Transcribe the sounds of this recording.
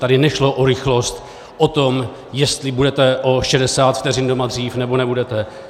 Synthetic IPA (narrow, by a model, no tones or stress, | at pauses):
t̪adɪnɛʃlo̞ʔoɾɪxlo̞st̪ | ʔot̪o̞m | jɛst̪lɪbudɛt̪ɛʔo̞ʃɛdɛsaːt̪ft̪ɛrɪndo̞mad̪r̝iːfnɛbo̞nɛbudɛt̪ɛ